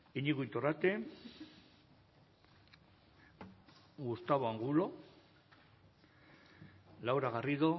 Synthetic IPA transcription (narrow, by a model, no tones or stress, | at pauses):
iɲiɣuint̪orat̪e | ɡust̪aβoaŋɡulo̞ | lawɾaɣariðo̞